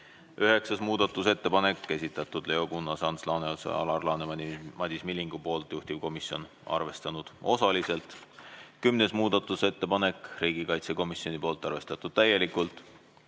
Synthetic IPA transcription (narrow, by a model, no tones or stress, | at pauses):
yɦe̞ksɑsmuːd̪̥ɑt̪ːˑuse̞t̪ːe̞pɑne̞kːæsʲit̪ːˑɑt̪ːˑud̪̥le̞o̞kunːɑsɑnslɑːneolsḛɑ̰lɑrlɑːnemɑmɑd̪ismilʲːiŋɡ̥upo̞ːlt̪ˑjuht̪ivko̞misjo̞n | ɑ̰rve̞st̪ɑnud̪̥o̞sɑlise̞lt̪kymne̞smuːd̪̥ɑt̪ːˑuse̞t̪ːe̞pɑne̞kriːɡ̥ikɑjt̪se̞ko̞misjo̞nʲipo̞ːlt̪ːˑɑrve̞st̪ɑt̪ːˑud̪̥̚t̪æje̞likˑult̪ˑ